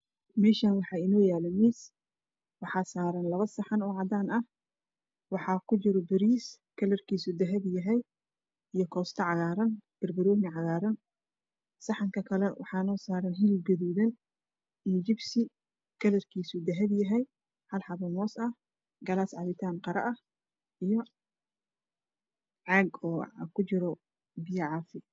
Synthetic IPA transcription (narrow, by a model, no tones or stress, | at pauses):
mɛːʃaːnwɑħɑːɪnɔːjaːlɐmiːs | wɑħɑːsaːɾɐnlɐβɐsɑħɑnʊʕɑd̪aːnɐh | wɑħɑːkʰʊt͡ʃɪɾɔbɪɾiːs | kʰɐlɐrkʰiːsud̪ɐɦɐbjɐɦɛj | ijɞkʰɔːst̪ʰɐʕɑɣaːɾɐnb̥ɐrbɐɾɔːnɪʕɑɣaːɾɐn | sɑħɑŋkʰɐkʰɐlɛwʔɑ̰ħɑːnɔːsaːɾɐnɦɪlɪlɡɐðuːðɐn | ijd͡ʒɪbsɪ | kʰɐlɐrkʰiːsud̪ɐɦɐbjɐɦɛj | hɐlħɑβɐmɔːsɐh | ɡɐlaːsʕɑβɪt̪ʰaːnqɑɾɐ̰ʔɐh | ijɔ | ʕɑɡɔːkʰʊt͡ʃɪɾɔ | bɪjɐʕɑːfɪ